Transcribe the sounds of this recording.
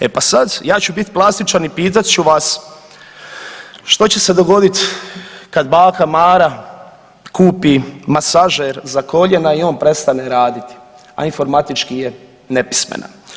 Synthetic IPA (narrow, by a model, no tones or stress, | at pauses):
epasad̪jaːt͡ɕubit̪plˠast̪it͡ʃanipiːt̪̬at̪t͡ɕuʋas | ʃt̪o̞t͡ɕese̞d̪o̞ɡo̞d̪it̪kad̪baːkamaːɾa | kuːpimasaʒeɾzako̞ʎenaio̞ːnpɾe̞st̪aneɾaːd̪it̪i̥ | a̰info̞ɾmat̪it͡ʃkije | ne̞pi̥smḛna̰